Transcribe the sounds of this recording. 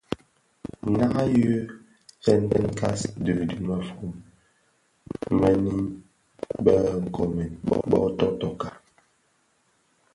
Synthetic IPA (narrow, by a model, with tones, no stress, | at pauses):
na˦ʔa˦jə˦ | fɛ˦n˦dɛ˦nka˦sdʉ˨dʉ˨mə˨fu˦˨m | mɛ˦ni˦ | bə˦ŋ̩˨kʰɔ˨me˨nb̰ɓɔ̰˦tɔ˦tɔ˦˨ka˨